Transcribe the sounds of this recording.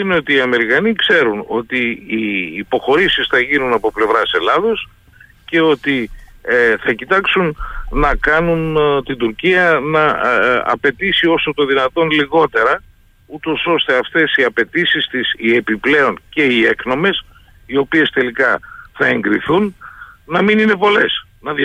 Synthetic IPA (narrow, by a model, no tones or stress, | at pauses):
ineo̞t̪iːɐme̞ɾikɐnikse̞ɾuno̞t̪iː | po̞xo̞ɾisisθɐʝinunɐpo̞ple̞vɾɐse̞lɐðo̞s | ce̞o̞t̪i | θɐcit̪ɐksunnɐkɐnunt̪ind̪uɾciɐnɐ̰ː | pe̞t̪isio̞sot̪o̞ðinɐt̪o̞nliɣo̞t̪e̞ɾɐ | ut̪o̞so̞st̪e̞ɐft̪e̞siɐpe̞t̪isist̪isie̞piple̞o̞nce̞ie̞kno̞me̞s | io̞pie̞st̪e̞likɐθɐe̞ŋɡɾiθunnɐminine̞po̞le̞s | nɐð